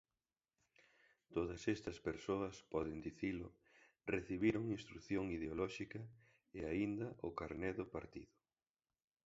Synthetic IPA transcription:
t̪oðɐsɛst̪ɐspeɾsoɐspɔðɪnd̪iθilʊ̰ | reθiβiɾʊŋinst̪ɾuθjoŋiðeolɔʃikɐ | eaind̪ɐʔʊkaɾnɛðʊpaɾt̪ḭðʊ

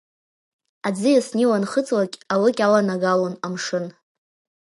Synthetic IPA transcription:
ad͡zɨjasniwanχət͡sʼlakʲʼalɨkʲʼalanaɡalonamʂɨn

